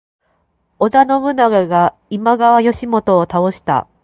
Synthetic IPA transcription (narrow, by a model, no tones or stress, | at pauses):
o̞zano̞mɯ̟naɡaɡa | imaɡaβajo̞ɕimo̞t̪o̞ːt̪ao̞ɕi̥t̪a̰